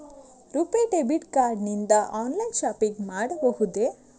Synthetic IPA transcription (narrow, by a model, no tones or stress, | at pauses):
ɾupeʈebiʈkaɾɖnind̪aʔɔːnlajnʃapikmaɽboɦud̪e